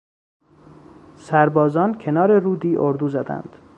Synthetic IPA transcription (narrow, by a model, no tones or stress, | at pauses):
sæɾbɒːzɒːncʲʰe̞nɒːɾe̞ruːd̪iːʔoɾd̪uːzæd̪æ̰nd̪̥